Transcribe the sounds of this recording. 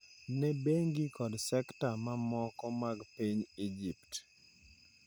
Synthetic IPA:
nɛbeŋɡikɔdsɛktamamɔkɔmaɡpiɲid͡ʒipt

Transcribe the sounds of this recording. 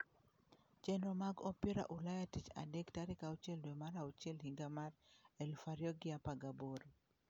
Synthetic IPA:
t͡ʃɛnɾɔmaɡɔpɛɾa̰ʔulajatit͡ʃa̰dɛktaɾɪkaut͡ʃɛldwemaɾaut͡ʃɛlhiŋɡamarɛlfaɾjɔɡɪapaɡaboɾo

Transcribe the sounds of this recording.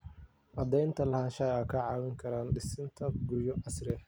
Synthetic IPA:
ʔɐd̪ɛjnt̪ʰɐlɐhaːnʃɐjɐkʰɐʕɑːwɪŋkʰɐɾaːnɖɪsɪnt̪ʰɐɡʊrjɔʔɐsrɪ

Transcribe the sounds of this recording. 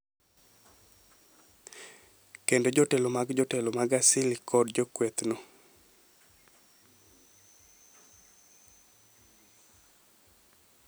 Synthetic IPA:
kendod͡ʒotelomaɡd͡ʒotelomaɡasɪlikɔdd͡ʒokwet̪no

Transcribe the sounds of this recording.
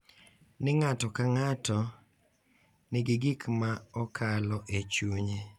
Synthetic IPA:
nɪŋatɔkaŋatɔ | nɪɡɪɡɪkmaɔkʰalɔʔet͡ʃuɲe

